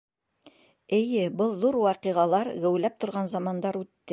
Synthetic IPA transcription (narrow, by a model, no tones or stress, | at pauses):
ɘ̆jɘbɤlˠðuɾwɑqiʁɑlˠɑɾɡæ̆wlæp̚t̪ŏɾʁɑnzɑmɑnd̪ɑɾʉt̪ːɘ